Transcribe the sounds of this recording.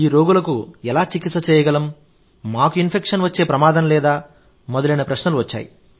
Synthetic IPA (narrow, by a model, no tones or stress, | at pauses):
iːɾoːɡulɐkuɛlaːt͡ʃikit̪sːɐt͡ʃɛːjɐɡɐlɐm | maːkuinpʰekʂɐnʋɐt͡ʃːe̞ːpɾɐmaːd̪ɐmlɛːd̪aː | mɔd̪ɐlɐjnɐpɾɐʃnɐluʋɐt͡ʃːa̰ːjḭ